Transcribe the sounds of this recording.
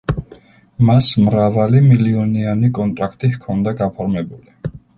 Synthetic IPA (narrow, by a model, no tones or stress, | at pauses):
masmɾavalimiliɔnianikʼɔnt̪ʼɾakʰt̪ʼihkʰɔnd̪aɡapʰɔɾmɛbuli